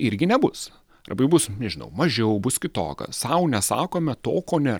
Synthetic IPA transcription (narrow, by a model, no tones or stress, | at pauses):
ɪɾʲɡʲɪnʲɛbʊs | ɾɐ̰bɐɪbʊsnʲɛʒʲɪnɐ̰ʊmɐʒʲɛʊbʊskʲɪt̪o̰ːkɐ̰sɐʊnʲɛsɑ̰ːkoːmʲɛt̪o̰ːkoːnʲeː